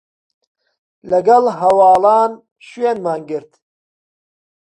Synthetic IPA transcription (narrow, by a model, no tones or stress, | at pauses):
lɐɡɐlɦɐwɑːlɑːn | ʃwenmaːnɡɨɾt̪